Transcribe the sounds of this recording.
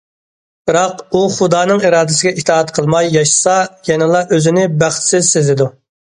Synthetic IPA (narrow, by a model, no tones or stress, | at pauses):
bɨɾɑquχʊd̪ɑːnɨŋiɾɑːd̪ɪsɪɡʲɛit̪ʰɑːɑt̪qʰəlˠmɑjːɑʃsɑjɛnɪlˠɑʔøzɪnɪbæχt̪ʰɪ̥sɪzsezɪd̪u